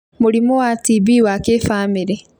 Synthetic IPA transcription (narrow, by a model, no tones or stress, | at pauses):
muɾimowatibiwakefaːmiɾe